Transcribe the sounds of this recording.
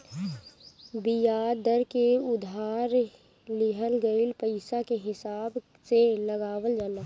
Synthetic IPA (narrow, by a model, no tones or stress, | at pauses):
bɪjaːd̪əɾkeʊd̪ʱaːɾ | lɪɦəlɡəɪlpəɪsakeɦɪsaːb | seləɡaːwəld͡ʒaːna